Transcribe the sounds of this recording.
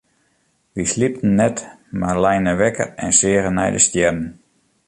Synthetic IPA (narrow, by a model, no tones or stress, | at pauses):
ʋislip̚tn̩ːɛt | marlɛjnəʋɛkə̰rɛnsɪːɣənɛ̰jdəstjɛrən